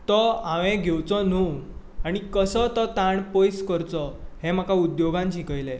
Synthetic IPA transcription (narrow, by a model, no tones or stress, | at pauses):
t̪ɔãʋẽɡʱewt͡sɔnu | aɽ̃ikəsɔt̪ɔt̪aɳpojskəɾt͡sɔhem̤akaud̪joɡãɲt͡ɕikəjle